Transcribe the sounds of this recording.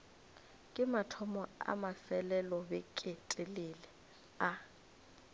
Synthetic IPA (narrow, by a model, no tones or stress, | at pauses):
kʼɪmatʰɔmɔa̰masɛlɛlɔbɛkʼɪtʼɪlɪlɛ | a